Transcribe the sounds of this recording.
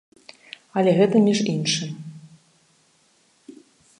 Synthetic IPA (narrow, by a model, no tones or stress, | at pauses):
ɐlʲɛɣɛt̪ɐmʲiʐinʂɨm